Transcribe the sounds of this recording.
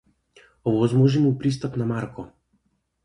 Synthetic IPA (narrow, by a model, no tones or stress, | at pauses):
ɔvɔzmɔʒimupɾist̪apnamaɾkɔ